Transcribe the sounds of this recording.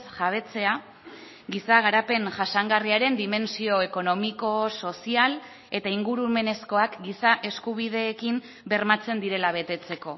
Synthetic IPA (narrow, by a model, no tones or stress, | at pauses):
sʝaβ̞e̞t͡se̞a | ɡisaɣaɾape̞ŋʝasaŋɡariaɾe̞nd̪ime̞nsio̞eko̞no̞miko̞so̞sial | e̞t̪aiŋɡuɾume̞ne̞sko̞akɡisaʔe̞skuβ̞ið̞e̞ːkim | be̞ɾmat͡se̞nd̪iɾe̞laβ̞e̞t̪e̞t͡se̞ko̞